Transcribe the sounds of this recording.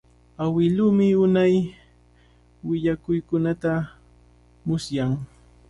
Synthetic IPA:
awɪluːmɪʊnaj | wɪʎakʊjkʊnat̪a | mʊsjaŋ

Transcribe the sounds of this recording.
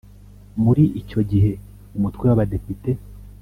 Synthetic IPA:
muɾiʔico̞ɟiɦe̞ | umutkwewaβade̞pite̞

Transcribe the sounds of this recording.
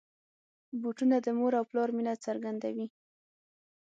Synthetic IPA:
buʈunad̪əmoɾawplɑɾminat͡saɾɡand̪awi

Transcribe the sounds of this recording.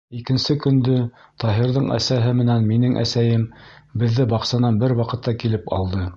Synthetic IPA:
ikɘ̆nsɘkɵ̆nd̪ɵ | t̪ʰɑɦiɾðɤɴæ̰sæɦɘmɘ̆nænminɘŋʔæ̰sæjɘmbɘ̆ðːɘbɑqsɑnɑnbɘɾwɑqɤ̆t̪ːɑkilɘpɑ̰lˠd̪ɤ

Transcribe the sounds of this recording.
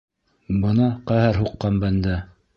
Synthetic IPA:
bɤ̆nɑqæhæɾɦuqːɑmbænd̪æ

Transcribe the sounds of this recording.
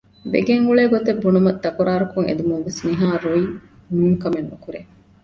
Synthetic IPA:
ʋḛɡeŋuɭeːɡot̪ebːunumɐt̪ːɐkuɾaːɾukuŋḛd̪umuŋʋesniɦaːɾoi | mimkɐmenːukuɾe

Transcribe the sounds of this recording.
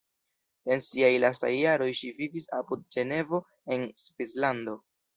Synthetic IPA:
e̞nsiajlasta̰jːaɾo̞jʃivivisapud̚d͡ʒe̞ne̞vo̞ | e̞nsvislando̞

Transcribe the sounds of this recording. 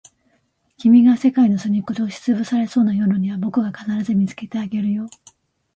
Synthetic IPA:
kʲimʲiɡase̞kaino̞sɨɲ̟ikot̪o̞ːɕi̥t͡sɨbɯ̟saɾe̞so̞ːnajo̞ːnoɲ̟iβ̞abo̞kɯ̟ɡakanaɾazɨmʲit͡sɨ̥ke̞t̪e̞aɡe̞ɾɯ̟jo̞ː

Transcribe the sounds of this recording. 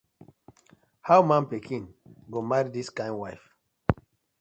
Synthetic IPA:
hawmãnpekʰĩnɡomaɾidiskãɪ̃nwaɪf

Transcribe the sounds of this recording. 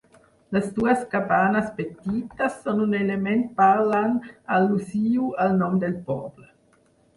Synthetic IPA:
lasd̪uaskabanaspet̪it̪asːɔnunelement̪̚paɾlaŋalːusiːualnɔmd̪elpɔblə

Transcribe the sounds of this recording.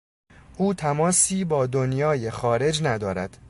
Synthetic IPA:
ʔuːt̪ʰæmɒːsiːbɒːd̪onjɒːje̞xɒːɾe̞d͡ʒnæd̪ɒːɾæd̪̥

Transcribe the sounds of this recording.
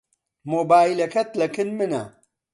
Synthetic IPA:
moːbaːjlɐkɐt̪lɐkɨnmɨnɐ̰

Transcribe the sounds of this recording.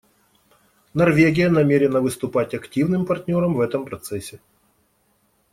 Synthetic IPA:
nɐrvʲeɡʲɪjənɐmʲeɾʲɪnəvɨst̪ʊpatʲɐktʲivnɨmpɐrtʲnʲo̞ɾəmvɛt̪əmpɾɐt̪sɛsʲːɪ

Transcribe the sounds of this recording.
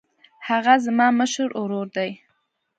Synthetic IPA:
haɣazmɑməʃəɾʊɾoɾd̪aj

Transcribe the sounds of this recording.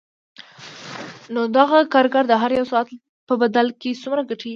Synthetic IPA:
nod̪aɣakɑɾɡaɾd̪əɦaɾjawsɑat̪ | pəbad̪alkesumɾaɡaʈi

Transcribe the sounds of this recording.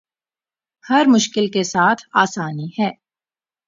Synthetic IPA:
hɐɾmʊʃkɪlkesaːt̪ʰaːsaːnihɛː

